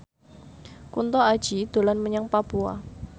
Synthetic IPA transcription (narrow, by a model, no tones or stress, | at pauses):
kunt̪ɔḁʒ̥id̪̥olanməɲaŋpapua̰